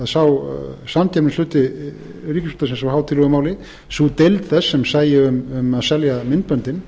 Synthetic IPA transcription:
ðsawsamt̪ʰɛnnslʏːt̪ɪ | riːcɪsfʏ̥ːt̪asɪnsawhaːwt̪ʰɪlɔɣʏmaːwlɪ | sut̪ejlt̪θɛsːɛmsaːjɪʏmʏmaðsɛljamɪnt̪̚pœnt̪ɪm

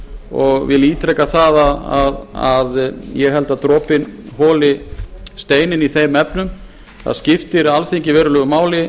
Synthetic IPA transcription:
ɔɣvɪliːt̪ɾɛjkaθaðaðaðaðjɛɣɦɛlt̪aðt̪ɾɔːpɪnɦɔːlɪst̪eːjnɪniθejmɛpnʏm | θa̰ðscɪft̪ɪɾalθiɲcɪvɛːɾʏlœːɣʏmaːwlɪ

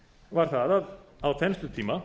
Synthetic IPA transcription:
vaɾ̥θaðaðawθɛnst̪ʏt̪ʰiːma

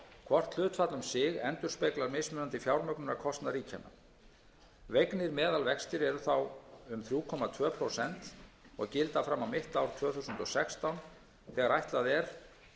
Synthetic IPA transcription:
kʰvɔr̥t̪l̥ʏːt̪fat̪lʏmsɪɣɛnt̪ʏɾ̥spejklaɾmejsmʏnant̪ɪfjawɾmœknʏnaɾkʰɔst̪naɾiːcʰana̰ | vejknɪɾmɛːðalvɛkst̪ɪɾɛɾʏθawʏmθɾjuːkʰɔmat̪ʰvœːpʰɾowsɛn̥t̪ | ɔ̰ɣcɪlt̪afɾamːawmɪht̪awɾ̥t̪ʰv̥œːθusʏnt̪ɔsɛkst̪awn | θɛːɣaɾajht̪laðɛɾ̥

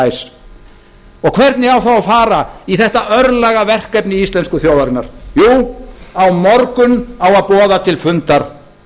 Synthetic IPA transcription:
js | ɔɣkʰvɛɾt̪nɪɣawθawafaːɾaiθɛht̪aʔœɾlɛɣavɛr̥kɛpnɪist̪lɛnskʏθjoːwðaɾɪnːaɾ̥juːawmɔɾkʏnawaðpɔːðat̪ʰɪlfʏnt̪aɾ̥

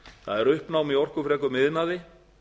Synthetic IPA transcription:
θa̰ðɛɾʏhpnawmiɔr̥kʏfɾɛːkʏmɪðnaðɪ

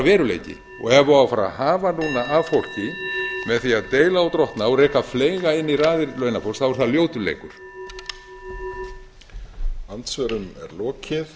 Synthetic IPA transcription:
vɛːɾʏlḛjcɪ̰ | ɔ̰ɣɛvaafaɾa̰haːvanuːnaːvfowl̥cɪmɛðθiaðt̪eːjlaawt̪ɾɔht̪naɔrɛːkafleːjɣaɪnːiraːðɪɾlœɥnafɔlsθavɔɾʏθaðljoːwt̪ʏlḛːjkʏɾ̥ | ant̪svœɾʏmɛ̰ɾlɔːcɪθ

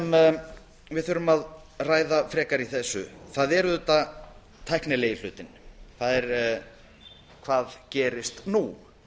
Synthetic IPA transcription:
m | vɪðθʏɾʏmað | raːjðafɾɛːkaɾiθɛsːʏ̰θaðɛɾðʏt̪a | t̪ʰajhknɪleːjɪl̥ʏːt̪ɪnkaðɛɾ | kʰvaːðcɛːɾɪst̪nu

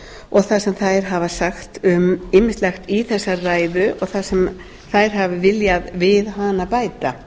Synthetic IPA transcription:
ɔɣθasɛmθajɾ̥ɦavasaxt̪ʏmɪmɪst̪lɛxt̪iθɛsːaraːjðʏʔɔɣθasɛm | θajɾ̥ɦavɪvɪljaðvɪðɦanapaːjt̪a

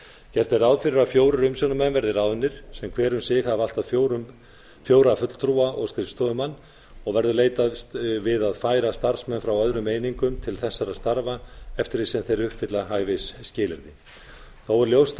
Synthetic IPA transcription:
cɛr̥t̪ɪɾawðfɪɾɪɾaðfjoːwɾʏɾʏmsjɔwnʏmɛnvɛɾðɪɾawðʏnːɪɾ̥sɛmkʰvɛːɾʏmsɪxaval̥t̪aðfɾ | fjoːwɾafʏt̪l̥t̪ʰɾuːaʔɔɣst̪ɾɪfst̪ɔðʏmanː | ɔɣvɛɾðʏleːjt̪avɪðaðfaːjɾast̪aɾ̥smɛnfɾawœðɾʏmeːjniŋkʏmt̪ʰɪlθɛsːaɾaðst̪aɾvaɛft̪ɪɾisɛmθejɾʏhpvɪt̪laɦaːjvejsːcɪːlɪɾðɪ | θawɛɾljowst̪

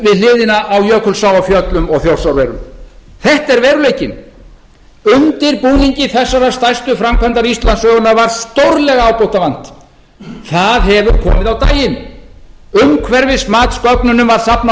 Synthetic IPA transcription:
vɪðlɪːðɪnaʔawjœːkʰʏlsaːwafjœt̪lʏmɔɣθjowrsawɾvɛɾʏ̰m | θɛht̪ɛɾvɛːɾʏleːjcɪn | ʏnt̪ɪɾpuːniɲcɪθɛsːaɾast̪ajst̪ʏfɾamkʰant̪aɾist̪lansœːɣʏnavaɾ̥st̪owɾlɛɣaːwpowht̪avan̥t̪ | θaðɦɛvʏɾkʰɔ̰ːmɪðawt̪aːjɪn | ʏmkʰvɛɾvɪsmaːt̪skœknʏnʏmvaɾ̥sapna

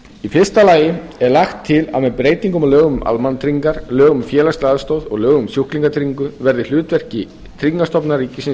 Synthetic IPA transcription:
ifɪr̥st̪alaːjɪɛɾlaxt̪ʰːɪla̰ðmɛðpɾeːjt̪iŋkʏmalœːɣʏma̰lmant̪ʰɾiŋkaɾ̥lœːɣʏmfjɛːlast̪aaðst̪owðɔ̰ɣlœːɣʏmsjuhkliŋkat̪ʰɾiŋkʏvɛɾðɪl̥ʏːt̪vɛr̥cɪ | t̪ʰɾiŋkast̪ɔpnaɾiːcɪsɪn

